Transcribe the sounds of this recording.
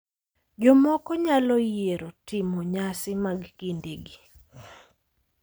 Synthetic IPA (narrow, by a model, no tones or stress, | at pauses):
d͡ʒɔmɔkɔɲalɔjeɾotɪmɔɲasɪmaɡkindeɡi